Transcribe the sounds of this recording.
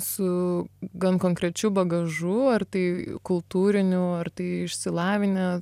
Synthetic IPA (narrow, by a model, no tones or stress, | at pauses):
sʊɡɐnkoːŋkɾʲɛt͡ʃʲuːbɐɡɐʒuːɐrt̪ɐɪkʊlˠt̪uːɾʲɪnʲʊɐrt̪ɐɪɪʃʲsʲɪlˠɑːʋʲɪnʲɛ